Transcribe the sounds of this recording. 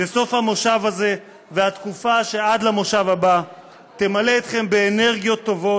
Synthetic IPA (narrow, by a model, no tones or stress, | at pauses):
beso̞fhamo̞ʃavaze̞ | veat̪kufaʃe̞ad̪lamoʃavaba | t̪e̞male̞ːt̪χe̞mbe̞ːne̞ʁɡijo̞t̪ːo̞vo̞